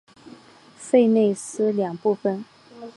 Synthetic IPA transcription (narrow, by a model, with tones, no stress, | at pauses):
fe˥˧ɪne˥˩ɪsɹ̩˥ljɑ˨˩ŋpu˥˧fə˨˩n